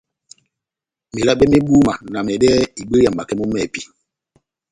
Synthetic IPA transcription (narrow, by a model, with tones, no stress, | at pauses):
mi˨la˦ɓɛ˦mi˦ɡu˦ma˨na˨mɛ˨dɛː˦i˨ɡ͡bə˦ja˨mba˨kɛ˦mu˦mɛ˨pi˦